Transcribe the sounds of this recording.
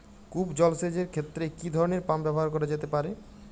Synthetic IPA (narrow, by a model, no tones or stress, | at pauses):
kubd͡ʑɔlsed͡ʑeɾkʰet̪ːɾekid̪ʱɔɾoneɾpambɛboɦaɾkoɾed͡ʑet̪epaɾe